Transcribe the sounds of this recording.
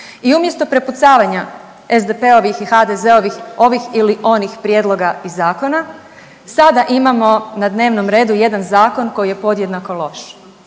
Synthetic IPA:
iumje̞st̪o̞pɾe̞put̪saːʋaɲa | ezd̪epeo̞ʋixixad̪eze̞o̞ʋixo̞ʋixiliʔo̞nixpɾje̞d̪lˠo̞ɡaizaːko̞na | sad̪aʔimamo̞nad̪ne̞ːʋno̞mɾe̞ːd̪uje̞d̪anzaːko̞nko̞jije̞po̞d̪jed̪nako̞lˠo̞ʃ

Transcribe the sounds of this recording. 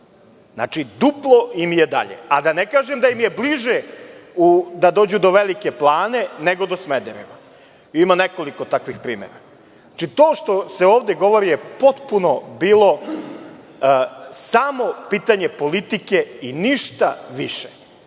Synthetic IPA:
zna̰t͡ʃid̪uplˠo̞imjed̪a̰ʎḛad̪anekaːʒemd̪ajimje̞bliʒeud̪ad̪o̞ːd͡ʑud̪o̞ʋelike̞plˠaːne̞neɡo̞d̪o̞smed̪ḛɾḛʋa | imaneko̞liko̞t̪akʋixpɾḭːmḛɾa̰ | at͡ʃit̪o̞ːʃt̪oseoːʋd̪eɡo̞ʋo̞ɾijepo̞t̪puno̞biːlo̞ | samo̞piːt̪aɲe̞po̞lit̪ikeiniʃt̪a̰ʋḭʃe̥

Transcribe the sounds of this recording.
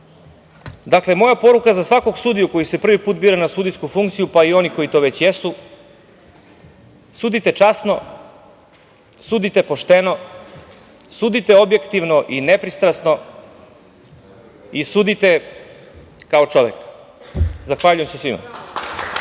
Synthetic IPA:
d̪akle̞mo̞japo̞ɾukazasʋako̞ɡsuːd̪ijuko̞jise̞pr̩ʋipuːt̪̚biːɾanasuːd̪ijskufuŋkt̪sijupaio̞niko̞jit̪o̞ːʋe̞t͡ɕjesu | suːd̪it̪e̞t͡ʃasno̞ | suːd̪it̪e̞po̞ʃt̪eno̞ | suːd̪it̪e̞o̞bje̞kt̪iʋno̞ʔinepɾist̪ɾasno̞ | isuːd̪it̪e̞ | kao̞t͡ʃo̞ʋe̞k | zaxʋaʎujemsesʋima̰

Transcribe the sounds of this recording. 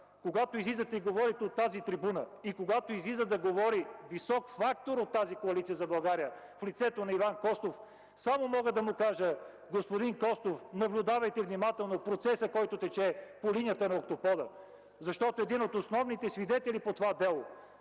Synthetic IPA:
koɡat̪oizlizət̪ɛiɡovɔɾit̪ɛot̪ːazit̪ɾibunəikoɡat̪oizlizəd̪ɐɡovɔɾivisɔkfakt̪oɾot̪ːazikoɐlit̪sijəzɐbɐlˠɡaɾijə | flit̪sɛt̪onɐivankɔst̪of | samomɔɡəd̪ɐmʊkaʒə | ɡospod̪inkɔst̪ofnɐblʲʊd̪avɐjt̪ɛvnimat̪ɛlˠnopɾot̪sɛsəkɔjt̪ot̪ɛt͡ʃɛpolinijət̪ənɐok̚t̪opɔd̪ə | zɐʃt̪ɔt̪oɛd̪inot̪osnɔvnit̪ɛsvid̪ɛt̪ɛlipot̪ovad̪ɛlˠo

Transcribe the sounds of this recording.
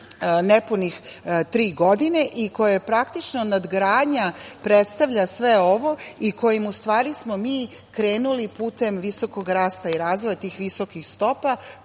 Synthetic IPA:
nepunixt̪ɾiːɡo̞d̪ine̞ʔiko̞jepɾakt̪it͡ʃno̞nad̪ɡɾaːd̪ɲapɾet̪st̪aʋʎasʋeo̞ʋo̞iko̞jimust̪ʋaːɾismo̞miː | kɾe̞ːnulipuːt̪e̞mʋiso̞ko̞ɡɾaːst̪aiɾaːzʋojat̪iːxʋiso̞kixst̪o̞pa

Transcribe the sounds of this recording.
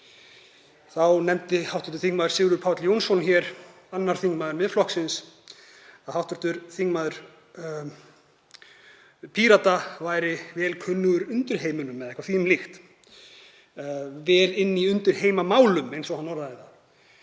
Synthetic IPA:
θawnɛmt̪ɪhawht̪ɔ̥ɾ̥t̪ʏ̥ɾθiŋmaðʏɾ̥sɪɣɾʏɾpʰawt̪ljownsɔnçjɛɾ̥ | anːaɾ̥θiŋmaðʏɾmɪðflɔhksɪns | aðhawht̪ʏɾ̥t̪ʏɾθiŋkmaðʏɾ̥ | pʰiɾat̪avaːjɾɪvɛːlkʰʏnːʏɣʏɾʏnt̪ʏɾ̥ɦeːjmʏnʏmːɛðɛhkvaθiʏmlɪxt̪ | vɛːlɪnːiʏnt̪ʏɾ̥heːjmamaːwlʏmejnsɔhanːɔɾðaðɪθa

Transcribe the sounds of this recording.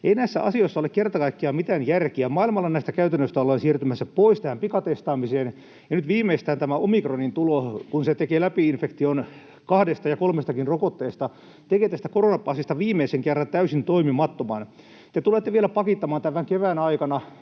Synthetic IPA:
einæisːæ̰ɑ̰sioisːɑolekkert̪ɑkɑikːiɑmit̪æːnjærkiæmɑilmɑlːɑnæist̪ækæyt̪ænːøst̪æolːensiːrt̪ymæsːæpoist̪æhæmpikɑt̪est̪ɑːmiseːn | jɑnyt̪ʋiːmːeist̪æːnt̪æmæomikronint̪ulokunset̪ekeːlæpiinfekt̪ion | kɑhdest̪ɑjɑkolmest̪ɑkinrokot̪ːeːst̪ɑ | t̪ekeːt̪æst̪ækoronɑpɑːsist̪ɑʋiːmˑeiseŋkerːɑnt̪æysint̪oimimɑt̪ːomɑn | t̪et̪ulet̪ːeʋielæpɑkit̪ːɑmɑːnt̪æʋæŋkeʋæːnɑikɑnɑ

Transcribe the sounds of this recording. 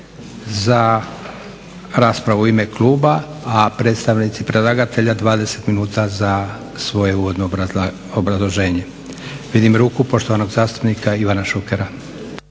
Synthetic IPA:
za | ɾaːspɾaʋuime̞klˠuːbaːpɾe̞d̪st̪aʋnit̪sipɾelˠaːɡat̪e̞ʎad̪ʋaːd̪e̞se̞t̪minuːt̪aza | sʋo̞je̞uːʋo̞d̪no | obɾazlˠo̞ʒe̞ːɲe̞ | ʋid̪imɾuːkupo̞ʃt̪o̞ʋano̞ɡzaːst̪upnikaiʋanaʃukeɾa

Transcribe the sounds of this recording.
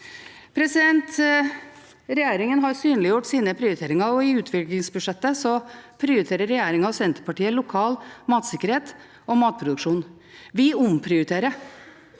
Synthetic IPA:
pʰɾɛsɪd̪ɛnt̪ | ɾɛjeːɾɪŋənɦɑɾsyːnlɪjʊʈːsiːnəpʰɾɪʊɾɪt̪ʰeːɾɪŋɑɔɪʉːt̪ʰʋɪklɪŋsbʉʂɛt̪ːəsɔpʰɾɪʊɾɪt̪ʰeːɾəɾːɛjeːɾɪŋɑɑsɛnt̪əɾpʰɑʈiːəlʊkʰɑːlmɑːt̪sɪkːəɾheːt̪ | ɔmɑːt̪̚pʰɾʊd̪ʉkʂuːn | ʋɪʊmpʰɾɪʊɾɪt̪ʰeːɾə

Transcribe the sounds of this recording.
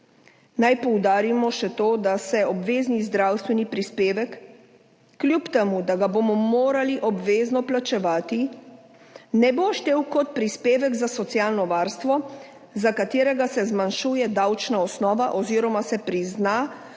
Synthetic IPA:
najpɔwd̪aːɾimɔʃɛt̪oːd̪asɛɔbʋeːznizd̪ɾawst̪ʋɛnipɾispeːʋɛkː | ljupt̪ɛmud̪aɡabomɔmoːɾaliʔɔbʋeːznɔplat͡ʃɛʋaːt̪i | nɛboʃt̪eːwkɔt̪̚pɾispeːʋɛɡzasɔt̪sijaːlnɔʋaːɾst̪ʋɔ | zakat̪eːɾɛɡasɛzmanʃuːjɛd̪awt͡ʃnaɔsnɔːʋaʔɔziɾɔmasɛpɾizna

